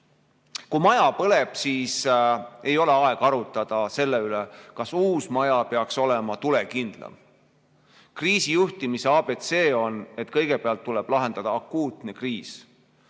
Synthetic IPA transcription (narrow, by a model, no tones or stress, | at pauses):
kumɑjɑpɤle̞b̥siːse̞jo̞le̞ɑe̞ɡ̥ɑɾut̪ːˑɑd̪̥ɑse̞lːeylekɑsuːsmɑjɑpeɑkso̞lemɑt̪ule̞kind̪̥lɑ̰m | kriːsijuht̪imise̞ɑːbe̞t̪se̞ːo̞ne̞t̪kɤjɡe̞peɑlt̪ːuleb̥lɑɦe̞nd̪̥ɑd̪̥ɑːkːuːt̪ne̞kriːs